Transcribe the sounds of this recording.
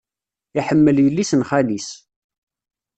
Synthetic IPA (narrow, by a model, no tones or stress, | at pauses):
iħəmːəljəlːisənχalis